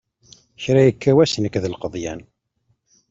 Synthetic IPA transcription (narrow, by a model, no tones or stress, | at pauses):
çɾæjəkːæwæsnəkːðəlqəðˤjæn